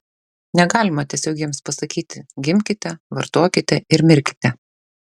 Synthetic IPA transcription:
nʲɛɡɑːlʲɪmɐt̪ʲiɛsʲoːɡʲiɛmspɐsɐkʲiːt̪ʲɪɡʲɪmʲkʲɪt̪ʲɛʋɐɾt̪oːkʲɪt̪ʲɛʔɪɾmʲɪɾʲkʲɪ̥t̪ʲɛ

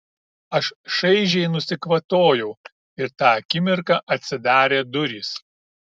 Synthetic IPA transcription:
ɐʃʃɐɪʒʲɛɪnʊsʲɪkʋɐt̪oːjɛʊ | ɪɾt̪ɑːɐkʲɪmʲɪɾkɑːʔɐt̪ʲsʲɪd̪ɑːɾʲeːd̪ʊɾʲiːs

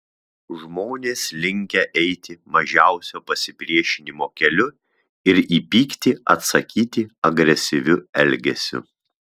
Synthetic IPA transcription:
ʒmoːnʲeːslʲɪŋʲkʲɛʔɛɪt̪ʲɪmɐʒʲæˑʊsʲoːpɐsʲɪpʲɾʲiɛʃʲɪnʲɪmoːkʲɛlʲʊ | ɪɾiːpʲiːkt̪ʲɪɐt̪sɐkʲiːt̪ʲɪɐɡɾʲɛsʲɪʋʲʊɛlʲɡʲɛsʲʊ̰

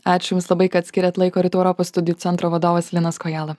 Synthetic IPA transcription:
ɑːt͡ʃʲʊjʊmslˠɐbɐɪkɐɐt̪ʲsʲkʲɪɾʲɛt̪lˠɐɪkoːɾʲɪt̪uːɛʊɾɔpoːsst̪ʊd̪ʲɪjuːt̪sʲɛnt̪ɾoːʋɐd̪oːʋɐslʲɪnɐskɔjæːlˠɐ

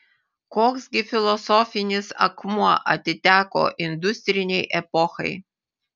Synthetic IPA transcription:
koːksɡʲɪfʲɪlˠɔsɔfʲɪnʲɪsɐ̰kmuɔʔɐt̪ʲɪt̪ʲæːko̰ːʔɪnd̪ʊsʲt̪ʲɾʲɪnʲɛɪʔɛpɔxɐ̰ɪ

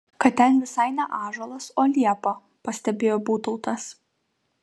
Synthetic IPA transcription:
kɐt̪t̪ʲɛnʋʲɪsɐɪnʲɛʔɑːʒolˠɐsoːlʲiɛpo | pɐsʲt̪ʲɛbʲeːjoːbuːt̪ʊʊt̪ɐs

